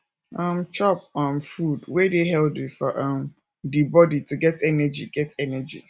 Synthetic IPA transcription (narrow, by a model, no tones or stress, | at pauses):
ãm̩t͡ʃɔp̚ɔ̃nfudwedeɦɛldifɔʔam | dibɔdituɡɛtɛnɛd͡ʒḭɡɛtɛnɛd͡ʒḭ